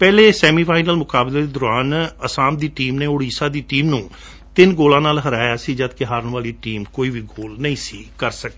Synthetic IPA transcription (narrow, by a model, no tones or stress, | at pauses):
pɛːleːsɛːmiːpʰaːɪnəlmʊkaːbleːd̪eːd̪ʊɾaːnəsaːmd̪iːʈiːmneːʊɽiːsaːd̪iːʈiːmnũː | t̪ɪnɡoːlãːnaːlɦəɾaːjaːsiːd͡ʒəd̪kɪɦaːɾəɳʋaːliːʈiːmkoːiːʋiːɡoːlnəĩːsiːkəɾsək̚d̪